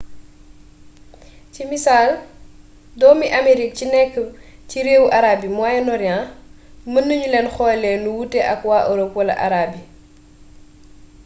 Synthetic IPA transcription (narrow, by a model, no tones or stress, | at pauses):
cimisaːl | dɔːmiʔameɾik̚cinɛkːəciɾeːwʔaɾaːbimwajɛnɔɾjã | mənːəɲulɛnxɔːjlɛnuwutɛʔɐkwaːʔoɾokwɐlɐ̰ʔa̰ɾaːbi